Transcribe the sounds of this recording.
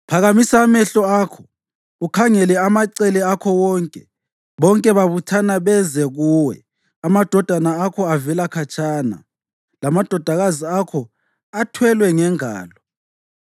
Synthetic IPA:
pʰaɣamisamɛɬɔakʰɔ̥ | ukʰaŋɛlɛamaǀɛlɛakʰɔwɔːŋkʼɛ | βɔŋkʼɛβaβutʰanaβɛzɛɣuːwɛ̰ | amad̥ʱɔd̥ʱanaakʰɔavɛlakʰat͡ʃʰʼaːna̰ | lamad̥ʱɔd̥ʱaɣaziakʰɔ | atʰwɛlwɛŋɛŋa̰ːlɔ

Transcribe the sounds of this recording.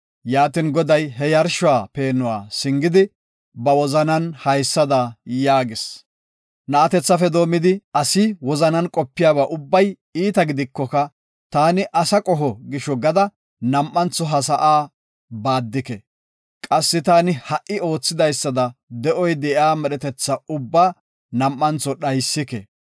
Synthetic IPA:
jaːt̪ɪnɡɔd̪ɐjɦɛjɐɾʃʊwaːpe̞ːnːʊwa̰ːsɪŋɡɪd̪ɪ | bɐwɔzɐnɐnhɐjsːɐd̪ɐjaːɡɪs | nɐʔɐt̪ɛt͡sːɐfɛd̪o̞ːmɪd̪ɪɐsɪwɔzɐnɐnkʼɔpːɪjaːbaːʔʊbːɐj | iːt̪ɐɡɪd̪ɪkːɔkɐ | t̪aːnɪʔɐsɐkʼɔɦɔɡɪʃɔɡɐd̪ɐ | nɐmʔːɐnt͡sːɔɦɐs̬ɐʔaː | baːd̪ːɪkɛ | kʼɐsːɪt̪aːnɪhɐʔːɪo̞ːt͡sːɪd̪ɐjsːɐd̪ɐd̪ɛʔɔjd̪ɛʔaːmɛɗɛt̪ɛt͡sːɐʊbːaː | nɐmːɐnt͡sːɔɗɐjsːɪkɛ

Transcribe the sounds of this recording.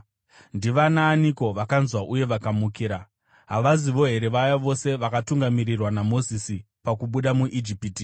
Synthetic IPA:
ndiʋanaːniko̞ʋakanzwaʔuje̞ʋakamukiːɾa | ɦaʋaziʋo̞ɦe̞ɾe̞ʋajaʋo̞se̞ʋakatuŋɡamiɾirwanamo̞zisi | pakuɓuɗamuʔid͡ʒipiti

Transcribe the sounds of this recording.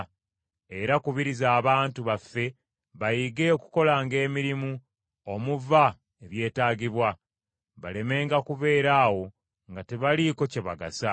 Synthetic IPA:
e̞ɾakuβiɾizaːβaːntuβafːe̞ | βajiɡe̞oku̥ko̞laŋɡe̞ːmiɾimu | o̞muva | eβje̞ːtaːɟiβwa | βale̞me̞ːŋɡakuve̞ːɾaːwo̞ | ŋɡateβaliko̞ceβaɡa̰sa

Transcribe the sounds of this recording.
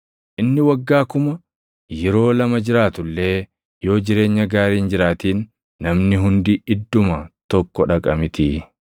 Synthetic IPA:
ʔɪnːɪwɐɡːaːkʊmɐ | jɛɾo̞ːlɐmɐd͡ʒɪɾaːt̪ʊlːe̞ː | jo̞ːd͡ʒɪɾe̞ːɲːɐɡaːɾiːnd͡ʒɪɾaːt̪iːnː | ɐmnɪɦʊnd̪ɪɪd̪ːʊmɐt̪ɔkːɔᶑɐkʼɐmɪt̪ɪ

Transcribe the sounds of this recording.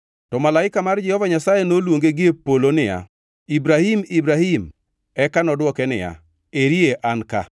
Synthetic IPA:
tɔmalaɪkamard͡ʒɛhɔvaɲasajenolwoŋɡeɡɪepolonɪja̰ | ibɾahimibɾahim | ɛkanɔdwɔkɛnɪ̰ja̰ | eɾieʔanka̰

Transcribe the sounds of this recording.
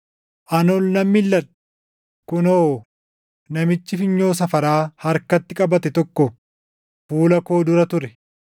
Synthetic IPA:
ʔɐnɔlnɐmːɪlːɐᶑɐ̥ | kʊnoː | nɐmɪt͡ʃːɪfɪɲːo̞ːs̬ɐfɐɾaːhɐɾkɐt̪ːɪkʼɐbɐt̪ɛt̪ɔkːɔ | fuːlɐko̞ːd̪ʊɾɐt̪ʊɾɛ

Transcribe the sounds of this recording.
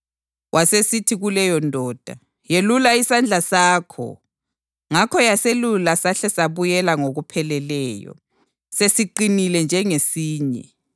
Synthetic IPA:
wʔasesitʰiɣulɛjɔndʱɔːd̥ʱa | jelulaisand͡ɮʱasaːkʰɔ̰ | ŋakʰɔjaselulasaɬɛsaβujɛlaŋoɣupʰɛlɛlɛːjɔ̰ | sesiǃinilɛnd͡ʒʱɛŋesiːɲɛ̰

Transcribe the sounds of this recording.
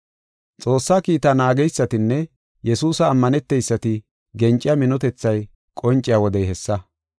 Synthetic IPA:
t͡sʼo̞ːsːaːkiːt̪ɐnaːɡɛjsːɐt̪ɪnːɛ | jɛsuːsɐːmːɐnɛt̪ːɛjsːɐt̪ɪ | ɡɛnt͡ʃʼɪjɐmɪnɔt̪ɛt͡sːɐj | kʼɔnt͡ʃʼːɪjawɔd̪ɛjɦɛsːɐ

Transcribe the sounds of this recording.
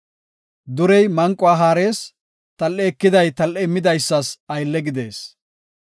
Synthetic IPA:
d̪ʊɾɛjmɐŋkʼːʊaːɦaːɾe̞ːs | t̪ɐlːɛːkːɪd̪ɐjt̪ɐlʔːɛɪmːɪd̪ɐjsːɐsɐjlːɛɡɪd̪e̞ːs

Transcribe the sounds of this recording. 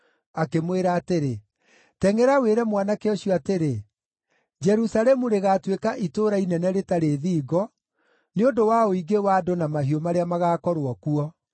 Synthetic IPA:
akemweɾaːteɾe | tɛŋɛɾaweɾɛmwanakeɔɕiɔateɾe | d͡ʒɛɾusalɛmuɾeɣatwekaʔitoːɾainɛnɛɾetaɾeðiːɡɔ | neondowaoiɡewadonamaɦiɔmaɾeamaɣaːkɔɾwɔkuɔ

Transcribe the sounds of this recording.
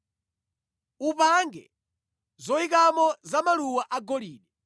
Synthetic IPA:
upaŋɡɛ | zɔik̬amɔzamaluwaʔaɡɔliːɗɛ

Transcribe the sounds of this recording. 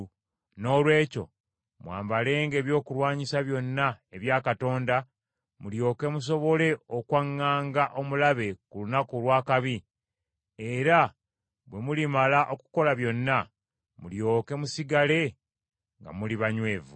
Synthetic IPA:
no̞ːlwe̞ːco̞̰ | mwa̰ːmbale̞ːŋɡe̞ːβjo̞ːkulwaːɲisaβjo̞nːaeβjaːkato̞ːnda | muljo̞ːke̞mus̬o̞βo̞le̞okwaŋːaːŋɡaʔo̞mulaβe̞kulunakulwaːkaβi | eɾa | βwe̞mulimalaʔo̞ku̥ko̞laβjo̞nːa | muljo̞ːke̞musiɡale̞ | ŋɡa̰muliβaɲwe̞ːvu

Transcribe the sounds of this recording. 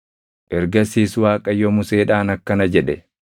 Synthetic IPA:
ʔɛɾɡɐsiːswaːkʼɐjːɔmʊseːᶑaːnɐkːɐnɐd͡ʒɛᶑɛ

